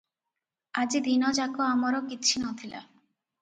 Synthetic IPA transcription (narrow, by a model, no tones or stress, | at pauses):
ad͡ʑid̪inɔd͡ʑakoamɔɾokitːt͡ɕʰinɔt̪ʰila̰